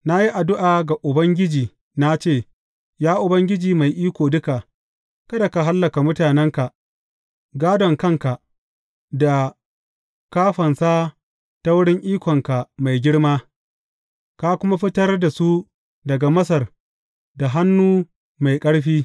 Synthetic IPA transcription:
na˦ji˦ʔa˨dʊ˦ʔaː˨ɡa˨ʔʊ˨bɐ˦ŋɡʲɪ˦d͡ʒiː˨ | na˦t͡ʃeː˦˨ | jaː˦ʔʊ˨bɐ˦ŋɡʲɪ˦d͡ʒiː˨ma˨jʔiː˦kʷoː˨dʊ˦ka˨ | kɐ˦da˨ka˨ɦa˦lːɐ˨ka˨mʊ˦taː˨nɛ˦ŋka˨ | ɡaː˦dɔ˨ŋkɐ˦ŋka˨ | da˨ | kaː˦ɸɐ˨nsaː˦ | ta˦wʊ˦ɽɪ˦ŋʔiː˦kʷɔ˨ŋka˨ma˨jɡʲɪ˦ɽmaː˦ | ka˦kʷʊ˦ma˦ɸɪ˦tɐ˦rda˨su˦ | dɐ˨ɡa˨mɐ˦sɐ˨r | da˨ɦa˦nːuː˦ | ma˨jkʼɐ˦ɽɸiː˦

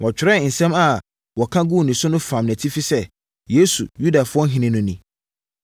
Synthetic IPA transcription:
wʔɔ˨t͡ɕᶣɪ˨ɾɛ˦˨n̩˨sɛ̃˦ma˨ | wɔ˨kʰã˦ɡu˦˨nĩ˨sʊ˦nʊ̃˦fã˨mnæ̃˨tʰi˦fi˦sɛ˦ | je˨˦sṵ˨ju˦da˨fʊ˦ɔ˦ɦɪ̃˦nɪ̃˦nʊ̃˦nĩ˨

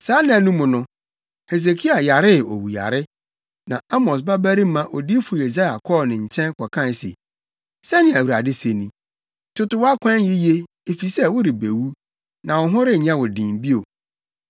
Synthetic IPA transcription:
saː˨˦nɪ̃˨nũ˦mʊ̃˨nʊ̃˦ | he˨ze˨kʰi˦a˨ja˨ɾɪ˦˨o˨wu˨ja̰˨ɾɪ˦ | nã˨a˦mɔ̃˨s̬ba˦bæ˦ɾi˦mã˦˨ʔo˨di˦fʊ˨je˨za˦ja˨kʰɔ˦˨nɪ̃˨ɲ̩˨t͡ɕʰɛ̃˦n˦kʰɔ˨kʰã˦˨sḛ˨ | sɛ˦nɪ̃˨æ˨wu˨ɾa˨dɪ˦se˨nĩ˨ | tʰʊ˦tʊ˦wa˦kʷʰã˦n˦ɪ˦je˦ | e˨fi˨sɛ˦wʊ˦ɾɪ˨be˨wu˦ | nã˨wʊ˨ɦʊ̃˦ɾɪ˦˨ɲã˦wʊ˨dĩ˨mbi˦o˨

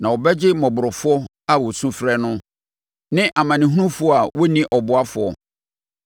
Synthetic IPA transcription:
nã˨wɔ˨bɛ˦d͡ʑɪ˦mɔ̃˨bʊ˨ɾʊ˨fɔ˦ | a˦wɔ˨sũ˦fɾɛ˦nʊ̃˦ | nɪ̃˦ʔa˨mã˨nɪ̃˨ɦu˦nũ˦fʊ˨˦ɔ˨˦a˨wo˦nĩ˦ʔɔ˨bʊ˨˦a˦fʊ˨ɔ˨

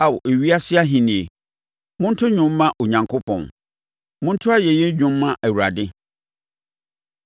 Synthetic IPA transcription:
a˨wo˨ʔe˨ɥi˦a˦sɪ˦a˦ɦĩ˨nĩ˨e˨ | mʊ̃˦n̩˦tʰʊ˦ɲᶣʊ̃˦m̩ː˦ã˦ʔo˨ɲã˨ŋkʰo˦pʰɔ̰̃˨n | mʊ̃˦n̩˦tʰʊ˦a˦jɛ˨jɛ˦ɲᶣʊ̃˨m̩ː˦ã˦ʔæ˨wu˨ɾa˨dɪ˦

